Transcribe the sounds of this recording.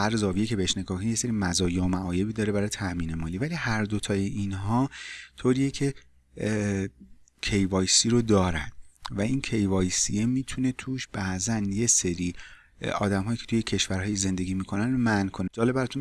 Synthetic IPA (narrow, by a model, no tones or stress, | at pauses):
æɾzɒːvijecʰee̞heʃne̞ɡɒːhkʰonijese̞ɾiːmæzɒːjeomæʔɒːje̞biːd̪ɒːɾe̞bæɾɒjt̪ʰæʔmiːnemɒːliːvæliːhæɾd̪o̞t̪ʰɒːjeʔinɦɒːt̪ʰoːɾiːjecʰe̞ | cʰe̞jvɒːjsiːɾod̪ɒːɾæ̰nd̪̥væincʰe̞jvɒːjsiemiːt̪ʰune̞t̪ʰuːʃb̥æʔzænje̞se̞ɾiː | ɒ̰ːd̪æmɦɒːjiːcʰet̪ʰuje̞cʰe̞ʃvæɾɦɒːjize̞nd̪e̞ɡiːmiːkʰo̞nænomænkʰo̞ned͡ʒɒːle̞bæɾɔt̪un